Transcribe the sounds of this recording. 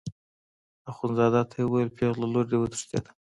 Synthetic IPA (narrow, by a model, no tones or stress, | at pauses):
aχunzɑd̪at̪ʰawaelpʰeɣlaloɾd̪ewət̪u̥ʂt̪ḛd̪ḁ